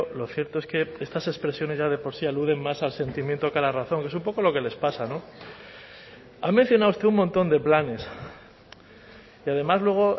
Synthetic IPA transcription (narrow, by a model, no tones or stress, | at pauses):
lo̞θje̞ɾt̪o̞e̞ske̞e̞st̪ase̞spɾe̞sjo̞ne̞zʝað̞e̞po̞ɾsialuðe̞ŋmasalse̞nt̪imjent̪o̞kalaraθo̞ŋke̞sumpo̞ko̞lo̞kele̞spasano̞ | amẽn̟θjo̞nawust̪eumõnt̪o̞nd̪e̞plane̞s | iað̞e̞mazlwe̞ɣ̞o̞